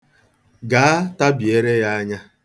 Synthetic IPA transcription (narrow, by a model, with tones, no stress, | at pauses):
ɡaː˨˦a˦ta˦bje˦ɾe˦ja˦a˦ɲa˦